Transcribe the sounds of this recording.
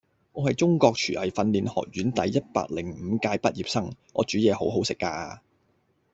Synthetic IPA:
ŋɔː˨˧hɐ˨jt͡sʊ˥ŋkɔː˧k̚t͡ʃʰyː˨˩ʔɐ˨˩jfɐ˧nliː˨nhɔ̰ː˨k̚jyː˨˥nt̪ɐ˨˥jːɐ˥t̚pa̰ː˧k̚lɪ˨˩ŋm̩˨˧kaː˧jpɐ˥t̚jiː˨p̚sɐ˥ŋʔɔː˨˧t͡ʃyː˨˥jɛː˨˧ho˨˥wɦo˨˥wsɪ˨kːaː˧

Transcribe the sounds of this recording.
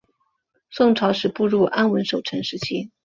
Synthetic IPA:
swʊ˥˩ŋʈ͡ʂʰɑ˧˥ʊʂɻ̩˨˩pu˥˧ɻu˥˩ʔa˥nwə˧˥nʂo˨˩ʊʈ͡ʂʰə˧˥nʂɻ̩˧˥t͡ɕʰi˥

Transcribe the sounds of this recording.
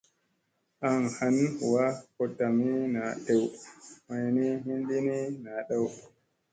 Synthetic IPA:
ʔa˨ŋha˦n˨wa˦kɔ˨tːa˨mi˦na˨ɗe˨wma˨jni˦hi˦ndi˦ni˦na˨ɗa˦w

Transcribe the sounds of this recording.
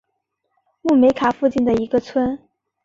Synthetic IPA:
mu˥˩me˧˥ɪkʰa˨˩fu˥˧t͡ɕi˥˩nd̪ə˩i˧˥ɡə˧t͡sʰwə˥n

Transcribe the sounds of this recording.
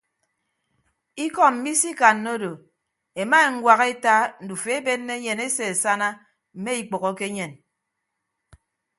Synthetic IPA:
i˦kɔ˦m̩˨mi˦si˦ka˨nːo˦do˨ | e˨ma˦e˨ŋ̩˦ɡwa˨ɣe˦ta˦n̩˨du˨fe˦e˦be˦nːe˦ɲe˨ne˦se˨e˨sa˦na˦ | m̩˨me˦i˨k͡pɔ˨ɣɔ˦ke˦ɲe˨n

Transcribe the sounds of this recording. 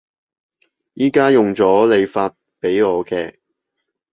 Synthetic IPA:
jiː˥kaː˥jʊ˨ŋt͡sɔː˨˥le˨˧jfaː˧t̚pe˨˥jɔː˨˧kɛː˧

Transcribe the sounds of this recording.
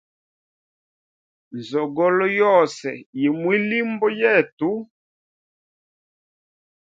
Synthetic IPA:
n˨zɔ˨ɡɔ˦lɔ˦jɔ˦˨sɛ˨ji˨mwi˦li˦mbɔ˦jɛ˦˨tu˦

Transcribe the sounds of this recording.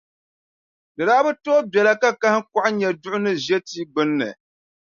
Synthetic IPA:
dɨ˨daː˦bɨ˦toː˦bɛ˨la˦ka˦ka˦hɪ˦ka˦ʔɲɛ˨dʊ˦ʔʊ˦nɨ˦ʒɛ˦tiː˦ɡ͡bɨ˦nːɨ̰˨

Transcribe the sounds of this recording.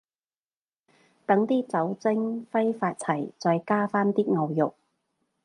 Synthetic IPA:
t̪ɐ˨˥ŋt̪iː˥t͡sɐ˨˥wt͡sɪ˥ŋfɐ˥jfaː˧t̚t͡sʰɐ˨˩jt͡sɔː˧jkaː˥faː˥nt̪iː˥ŋɐ˨˧wjʊ˨˩k̚

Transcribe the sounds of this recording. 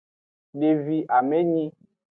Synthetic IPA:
ɖe˨vi˨ʔa˨mẽ˦ɲĩ˦

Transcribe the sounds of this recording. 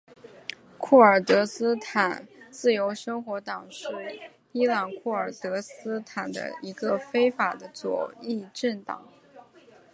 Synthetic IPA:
kʰu˥˩ə˞˨˩t̪ɤ˧˥sɹ̩˥t̪ʰa˨˩nt͡sɹ̩˥˩jo˧˥ʊʂɤ˥ŋxwɔ˧˥t̪ɑ˨˩ŋʂɻ̩˥˩ | i˥lɑ˨˩nkʰu˥˩ə˞˨˩t̪ɤ˧˥sɹ̩˥t̪ʰa˨˩nd̪ə̰˦i˧˥ɡə˧fe˥ɪfa˨˩d̪ə˦t͡swɔ̰˨˩i˥˧ʈ͡ʂə˥˩nt̪ɑ̰˨˩˦ŋ

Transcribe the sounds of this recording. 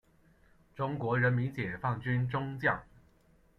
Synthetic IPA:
ʈ͡ʂʊ˥ŋkwɔ˧˥ɻə˧˥nmi˧˥nt͡ɕjɛ˨˩fɑ˥˩ŋt͡ɕy˥nʈ͡ʂʊ˥ŋt͡ɕjɑ˥˩ŋ

